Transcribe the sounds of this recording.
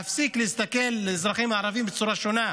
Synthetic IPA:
afsiklehist̪ake̞lːezʁaχimaːɾavimbet͡suʁaʃo̞na

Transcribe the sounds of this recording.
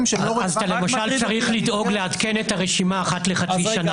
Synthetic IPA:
azt̪alemaʃalt͡saʁiχlido̞ɡle̞adke̞netaʁeʃimaːχatle̞χat͡siʃana

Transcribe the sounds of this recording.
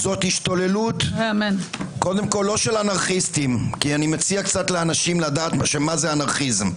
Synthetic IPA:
zo̞thiʃt̪o̞le̞luteamenko̞d̪e̞mko̞lːo̞ʃelanaʁχist̪imkianimet͡siakt͡sat̪leanaʃimlad̪aːt̪ʃemazeanaʁχizm

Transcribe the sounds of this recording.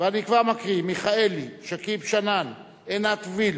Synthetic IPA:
veanikvaʁmakʁimiχaeliʃekibʃanan | enat̪vil

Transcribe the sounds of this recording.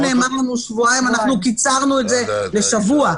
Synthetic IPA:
ne̞ːmaʁlanuʃvuajimanaχnukit͡saʁnue̞tze̞le̞ʃavua

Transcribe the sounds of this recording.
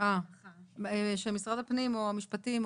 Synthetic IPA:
a | eʃemisʁad̪apnimoamiʃpat̪im

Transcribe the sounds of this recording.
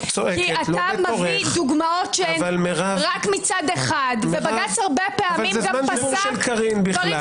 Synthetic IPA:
t͡soʔekialamoʁeid̪uɡmaotʃeavalmeʁaʁakmit͡sad̪eχad̪vebaɡat͡shaʁbepeamalimzamanauʃelkaʁinbiχla

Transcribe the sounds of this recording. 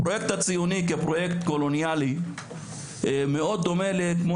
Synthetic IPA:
pɾojekt̪at͡sijunikepɾo̞jekt̪ko̞lo̞njali | meo̞d̪̚ːo̞me̞lekmo

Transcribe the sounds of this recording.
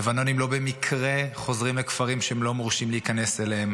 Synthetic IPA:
evano̞nimlo̞bemikʰʁeχo̞zʁimlekfaʁimʃehemlo̞muʁʃimleikane̞selehem

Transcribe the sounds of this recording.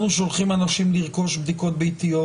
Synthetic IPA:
nuʃolχimanaʃimliʁko̞ʃbd̪iko̞t̪̚beit̪ijo

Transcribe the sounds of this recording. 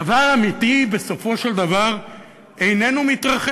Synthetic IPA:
avaamit̪ibe̞so̞fo̞ʃeld̪avaʁ | e̞jne̞numit̪ʁaχ

